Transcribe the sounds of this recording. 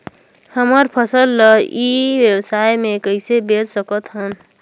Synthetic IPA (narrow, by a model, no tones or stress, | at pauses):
həməɾpʰəsəlːəiʋjəwsaːjmẽkəɪsebeɾsəkət̪ɦən